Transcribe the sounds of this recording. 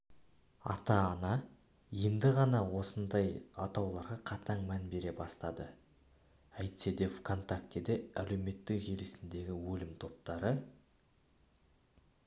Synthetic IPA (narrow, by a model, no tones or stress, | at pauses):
ɑ̰t̪ɑːnɑ | je̞nd̪ɪʁɑnɑwo̞sənd̪ɑjɑt̪ɑwlˠɑɾʁɑqʰɑt̪ʰɑɴmænbe̞ɾe̞bɑst̪ɑd̪ə | æjt̪sed̪e̞vkʰo̞nt̪akt̪ed̪eæle̞wme̞t̪ːɪkʒelesɪnd̪e̞ɡʲɪwɵlɪmt̪ʰo̞p̚t̪ɑɾə